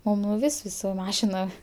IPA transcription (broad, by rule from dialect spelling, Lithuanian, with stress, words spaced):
mɐˈnɐʊ ˈʋʲɪsʲ ˈʋʲɪsʲ sʊ ˈmɑːʃʲɪnoːm